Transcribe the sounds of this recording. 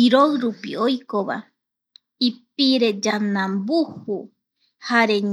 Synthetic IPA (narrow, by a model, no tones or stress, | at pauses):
iɾoɾupḭojkoβa̰ | ip̚iɾe̞d͡ʒanãmbuhu | haɾeɲ